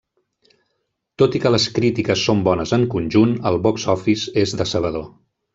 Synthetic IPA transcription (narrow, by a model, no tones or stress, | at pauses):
t̪ot̪ikələskɾit̪ikəsːombɔnəzəŋkunʲʒunəlˠβɔksɔfizezðəsəβ̞əðo